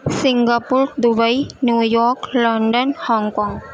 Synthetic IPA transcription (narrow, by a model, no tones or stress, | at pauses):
siŋɡapuɾd̪ubəinjuːjɔːɾklɔɳɖənhɔŋkɔːŋ